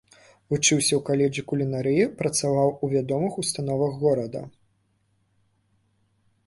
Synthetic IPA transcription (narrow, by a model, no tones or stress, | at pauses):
vut͡ʂɨwsʲɐwkalʲɛʐikulʲinaɾɨjipɾɐt̪savawuvʲad̪ɔmɨxust̪anɔvɐɣɣɔɾɐd̪ɐ̰